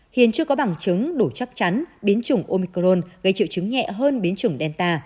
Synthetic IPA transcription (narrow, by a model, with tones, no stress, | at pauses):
hḭ˧˨ənt͡ɕɨ˧əkɔ˨˦ɓa˨˧˩ŋt͡ɕɨ˨˦ŋɗo˧˩t͡ɕa˦˥k̚t͡ɕa˨˦nɓi˨˦ənt͡ɕɨ˨˧˩ŋʔo˧mi˧kɾo˧nɣə˧˩jt͡ɕḭ˧˨wt͡ɕɨ˨˦ŋɲɛ̰˧˨ɦəː˧nɓi˨˦ənt͡ɕɨ˨˧˩əŋɗɛ˧nt̪aː˧